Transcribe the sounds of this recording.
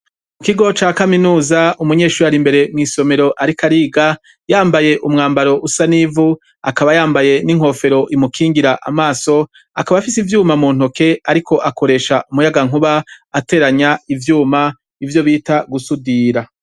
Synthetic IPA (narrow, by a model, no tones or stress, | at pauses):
mukiɡo̞t͡ʃaːkaminuːzaumuɲe̞ːʃuɾaɾimbe̞ɾe̞mŋiːso̞me̞ɾo̞ʔaɾikaɾiːɡa | jaːmbaje̞ʔumŋaːmbaɾo̞ʔusanivu | akaβajaːmbaje̞niŋ̥ho̞ːfe̞ɾo̞ʔimukʰiːŋɡiɾaʔamaːso̞ | akaβafisivjuːmamuːn̥hoke̞aɾikʰo̞ʔako̞ɾe̞ʃaʔumujaɡaŋuβaate̞ːɾaɲaivjuːma | ivjo̞βiːtaɡusudiːɾa